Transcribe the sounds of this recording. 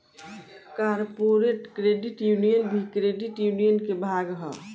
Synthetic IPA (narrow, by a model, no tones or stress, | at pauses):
kaɾpoɾeʈkɾeɖiʈjunijənbʱikɾeɖiʈjunijənkebʱaɡɦɔ̰